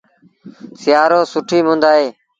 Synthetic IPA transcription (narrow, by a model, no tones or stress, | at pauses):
sɪjaːɾoːsʊʈʰiːmʊ̃ːnd̪aːɦeː